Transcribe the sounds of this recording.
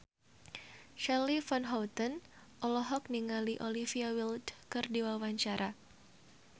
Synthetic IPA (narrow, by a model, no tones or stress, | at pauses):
ʃalifɔnɦɔwt̪ən | ʔɔlɔɦɔk̚niŋaliʔolifiawildkɨrdiwawaɲt͡ʃaɾa